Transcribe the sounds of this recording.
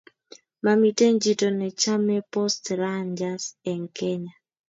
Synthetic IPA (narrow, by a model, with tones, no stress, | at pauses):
ma˨mi˨te˦ɲd͡ʒi˨to˨nɛ˨t͡ʃa˦mɛ˦pɔ˦stɾaɲd͡ʒa˦sɛ˨ŋkɛ˦ɲa˨